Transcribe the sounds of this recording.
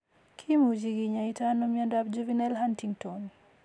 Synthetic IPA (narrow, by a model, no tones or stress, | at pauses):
kʰimud͡ʒiɡiɲaitanɔmiandabd͡ʒuvinɛlhantiŋtɔni